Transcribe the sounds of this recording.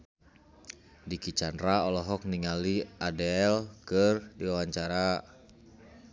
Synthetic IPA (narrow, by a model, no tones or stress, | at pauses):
dikit͡ʃanraɔlɔɦɔk̚niŋaliadɛlkərdiwawaɲt͡ʃaɾa